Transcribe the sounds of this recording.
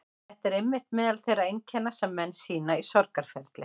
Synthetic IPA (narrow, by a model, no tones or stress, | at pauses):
θɛht̪ɛɾejmːɪht̪mɪðalθejrːaejɲcʰɛnːasɛmːɛnːsiːnaisɔɾkaɾ̥fɛɾt̪lɪ